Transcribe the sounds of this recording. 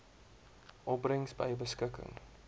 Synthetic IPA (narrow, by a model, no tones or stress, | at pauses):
ʔɔprəŋsbə̰jbəskəkə̰ŋ